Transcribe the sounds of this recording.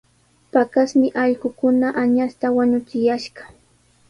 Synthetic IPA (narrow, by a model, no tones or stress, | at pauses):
pakasmɪʔɑʎɢʊkʊnaʔaɲast̪awaɲʊt͡ʃɪjaʃɢɑ̥